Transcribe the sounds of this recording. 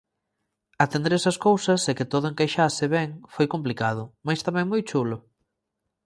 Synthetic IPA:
ɐt̪ẽnd̪eɾɛsɐskowsɐsɛkɪt̪oðʊeŋkajʃasɪβɛŋfojkomplikaðʊmajst̪amɛ̃ŋmojt͡ʃulʊ

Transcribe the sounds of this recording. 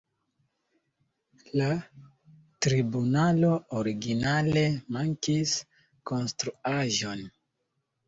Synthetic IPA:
la | tɾibunalo̞oɾiɡinale̞maŋkis | ko̞nstɾuaʒo̞n

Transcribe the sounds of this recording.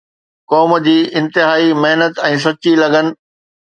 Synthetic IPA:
kɔːmd͡ʑiːʔɪ̃nt̪ɪɦaːimeɦnət̪ɛ̃ːs̬ɐt͡ɕilɐɡənɪ̆

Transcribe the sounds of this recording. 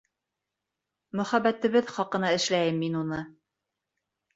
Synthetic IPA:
mɵ̆χæbæt̪ɘ̆βɘðχɑqɤ̆nɑɘ̆ʃlæjɘmːinunɤ

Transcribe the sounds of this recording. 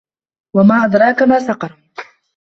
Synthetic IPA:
wamaːʔad̪ɾˤɑːkamaːsɑqɑɾˤ

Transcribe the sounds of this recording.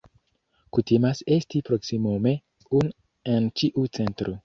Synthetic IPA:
kutimasestipɾoksimome | un | ent͡ʃiʔut͡sentɾo

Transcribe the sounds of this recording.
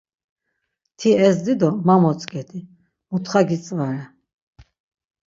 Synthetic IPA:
t̪ʰiɛsd̪id̪ɔmamɔt͡sʼkʼɛt̪ʰi | mut̪ʰχaɡit͡sʼvaɾɛ

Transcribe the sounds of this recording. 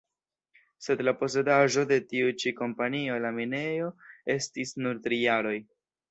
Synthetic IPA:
se̞dlapo̞s̬e̞daʒo̞de̞tiut͡ʃiko̞mpanio̞lamine̞jo̞e̞stisnuɾtɾijaɾo̞j

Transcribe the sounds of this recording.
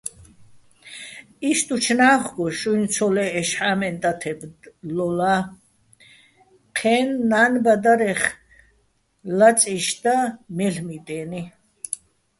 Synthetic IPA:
iʃt̪ʼut͡ʃʰnaːχɡɔʃujnt͡sʰɔlɛːʃħaːmɛnt̪ʼat̪ʰɛblɔla | qʰɛːnːaːnbad̪aɾɛχ | lat͡sʼiʃd̪amɛɬmit̪ʼɛːni

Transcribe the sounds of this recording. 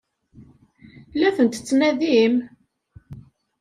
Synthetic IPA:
læθənt̪t͡sːnæðim

